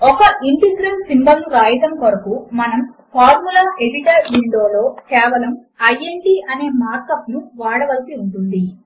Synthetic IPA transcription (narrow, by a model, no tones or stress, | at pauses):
ɔkɐʔiɳʈisɾɐnsimbɐmɾaːjɐt̪ɐmkɐɾɐkumɐnɐmpʰaːɾmulaːeɖiʈɐɾʋiɳɖo̞ːlo̞ːkɛːʋɐlɐm | ɐjːeɳʈiːʔɐne̞ːmaːɾkɐpnuʋaːɽɐʋɐlsiuɳʈund̪i